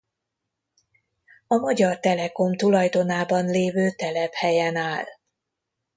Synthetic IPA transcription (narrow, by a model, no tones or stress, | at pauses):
ɒmɒɟɒrt̪ɛlɛko̞mt̪ulɒjd̪o̞naːbɒnleːvøːt̪ɛlɛphɛjɛnaːl